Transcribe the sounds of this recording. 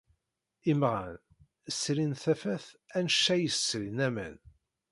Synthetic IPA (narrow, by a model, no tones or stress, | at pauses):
imʁa̰n | əsɾinθæfæθænʃːæjəsɾinæmæ̰n